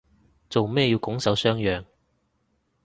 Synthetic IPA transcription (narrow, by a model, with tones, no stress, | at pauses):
t͡so˨wmɛː˥˧ji˧wkʊ˨˥ŋsɐ˨˥wsœː˥ŋjœː˨ŋ